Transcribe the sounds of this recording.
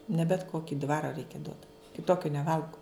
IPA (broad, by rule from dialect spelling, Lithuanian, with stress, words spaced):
nʲɛ bʲɛt ˈkoːkʲɪ ˈdʋɑːroː ˈrʲɛɪkʲɛ duɔt kʲɪˈtoːkʲʊ nʲɛˈʋɐlˠɡʊ